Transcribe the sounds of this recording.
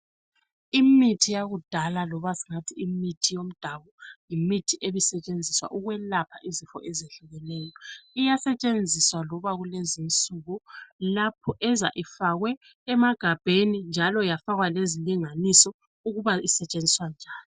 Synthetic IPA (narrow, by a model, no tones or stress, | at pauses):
imitʰijaɣud̥ʱalalɔβasiŋatʰiimitʰijom̩d̥ʱaβɔjimitʰiʔeβisɛt͡ʃʼend͡zʱiswa̰ʔuɣwɛlapʰaʔizifɔ̰ʔɛzeɬuɣɛnɛːjɔijasɛt͡ʃʼend͡zʱiswalɔβaɣulezint͡sʼuɣɔlapʰɔʔɛza̰ʔifaɣwɛː | maɡ̥ʱab̥ʱenind͡ʒʱalɔjafaɣwaleziliŋanisɔ | uɣuβaisɛt͡ʃʼend͡zʱiswand͡ʒʱaːni